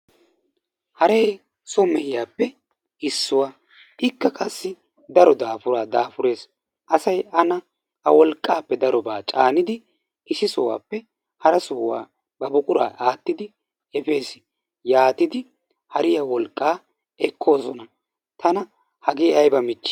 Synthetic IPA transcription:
hɐɾej | sɔmɛhɪjaːpːɛ | ɪsːʊwaː | ʔɪkːɐkʼɐsːɪ | d̪ɐɾɔd̪aːfʊɾaːd̪aːfʊɾe̞ːs | ʔɐsɐjɐnɐ | hɐ̰wɔlkʼːaːpːɛd̪ɐɾɔbaːt͡ʃʼaːnɪd̪ɪ | ɪsɪsɔwa̰ːpːɛ | hɐɾɐsoːwa̰ː | bɐbʊkʼʊɾa̰ːʔaːt̪ːɪd̪ɪ | ɛfe̞ːsɪ | jaːt̪ɪd̪ɪ | hɐɾɪjawɔlkʼːaː | ɛkʰːo̞ːsɔnɐ | t̪ɐnɐ | hɐɡeːɐjbɐmɪt͡ʃːɪ̥

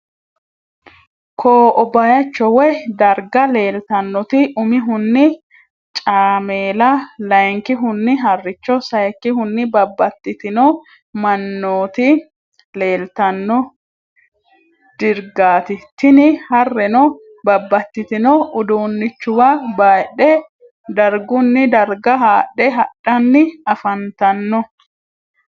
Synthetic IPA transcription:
kʰoːʔɔbajɐt͡ʃːɔwɛd̪ɐɾɡɐle̞ːlt̪ɐnːɔt̪ɪʔʊmɪɦʊnːɪ | t͡ʃʼaːmeːlɐlɐjŋkɪɦʊnːɪɦɐrːɪt͡ʃːɔsɐjkːɪɦʊnːɪbɐbːɐt̪ːɪt̪ɪnɔ | mɐnːoːt̪ɪ | le̞ːlt̪ɐnːɔ | d̪̥ɪɾɡaːt̪ɪt̪ɪnɪhɐrːɛnɔ | bɐbːɐt̪ːɪt̪ɪnɔʊd̪oːnːɪt͡ʃːʊwɐbaːɗɛ | d̪ɐɾɡʊnːɪd̪ɐɾɡɐɦaːᶑːɛɦɐᶑːɐnːɪɐfɐnt̪ɐnːɔ

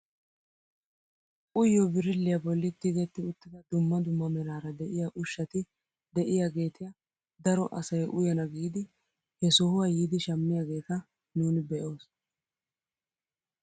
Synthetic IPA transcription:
ʔʊjːɔbɪɾɪlːɪjɐbɔlːɪt̪ːɪɡɛt̪ːɪʊt̪ːɪd̪ɐd̪ʊmːɐd̪ʊmːɐmɛɾaːɾɐd̪ɛʔɪjaʔʊʃːɐt̪ɪ | d̪ɛʔɪjaːɡe̞ːt̪ɪjɐ | d̪ɐɾɔʔɐsɐjʔʊjɐnɐɡiːd̪ɪ | hɛsɔhʊwajiːd̪ɪʃɐmːɪjaːɡe̞ːt̪ɐ | nuːnɪbɛʔoːs

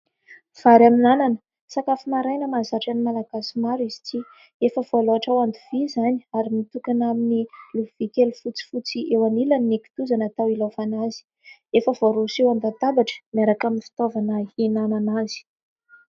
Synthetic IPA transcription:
v̥aɾaminananə̥ | sakafimaɾajnəmazaʈ͡ʂanimalaɡasimaɾizi̥t͡si | efəvoloaʈ͡ʂawand̪uvizaniaɾimit̪ukanaminiluvikʲelufut͡si̥fut͡siʔewanilanːiki̥t̪uzanat̪awilafanazi̥ | efəvoɾusewand̪at̪abaʈ͡ʂə̥miaɾakaminifi̥t̪ovanainananaz̥i̥

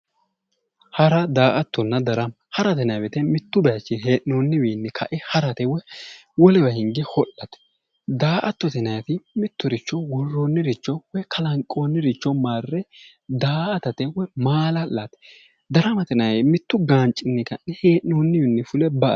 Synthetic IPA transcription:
hɐɾɐd̪aːʔɐt̪ːɔnːɐd̪ɐɾɐm | hɐɾɐt̪ɛnɐjbɛt̪ɛmɪt̪ːʊbɛjɐt͡ʃːɪɦe̞ːʔnoːnːɪwiːnːɛkʰɐʔɪhɐɾɐt̪ɛwɛ | wɔlɛbɐhɪŋɡɪhɔʔːɐt̪ɛ̥ | d̪aːʔɐt̪ːɔt̪ɛnɐjɐt̪ɪmɪt̪ːʊɾɪt͡ʃːɔwɔrːoːnːɪɾɪt͡ʃːɔwɛkʰɐlɐŋkʼːoːnːɪɾɪt͡ʃːɔmaːrːɛ | d̪aːʔɐt̪ɐt̪ɛwɛmaːlɐlːɐt̪ɛ̥ | d̪ɐɾɐmɐt̪ɛnɐjmɪt̪ːʊɡaːnt͡ʃʼːɪnːɪkɐnːɛheːʔnoːnːɪwɪnːɛfʊlɛbɐ̰

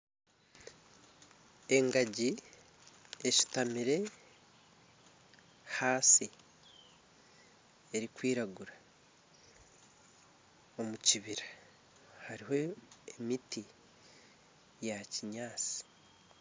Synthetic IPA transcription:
e̞ŋɡaɟi | eci̥tamiɾe̞ | haːsi | e̞ɾikwiːɾaɡuɾa | o̞muciβiɾḁ | haɾiɦo̞emiti | jaciɲaːt͡si̥

